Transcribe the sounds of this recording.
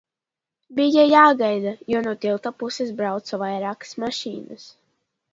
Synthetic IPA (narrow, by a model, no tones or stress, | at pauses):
bijajaːɡajd̪ajuɔnuɔt̪ilˠt̪apusesbɾawt̪savajɾaːkḁsmaʃḭːnɨs